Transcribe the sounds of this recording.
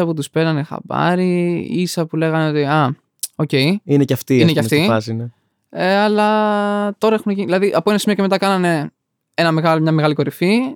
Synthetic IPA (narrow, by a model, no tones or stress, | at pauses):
ɐput̪̬uspe̞nɐnexɐ̰pɐ̰ɾiisɐpule̞ɣɐneo̞t̪iɐ | oce̞iineceɐft̪iineceɐft̪iɐsne | eɐlɐt̪o̞ɾɐe̞xuneʝiniðilɐðiʔɐpoinesimioceet̪ɐkɐnɐne̞ | e̞nɐmeɣɐlomɲɐmeɣɐliko̞ɾifi